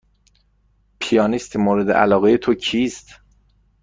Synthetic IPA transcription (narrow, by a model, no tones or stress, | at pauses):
pʰijɒːnist̪ʰimoːɾed̪eʔæ̰lɒːɣejet̪ʰocʰiːst̪